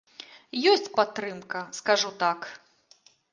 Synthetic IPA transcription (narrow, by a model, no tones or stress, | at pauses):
jɔsʲt͡sʲpat̪ːɾɨmkɐskaʐut̪ak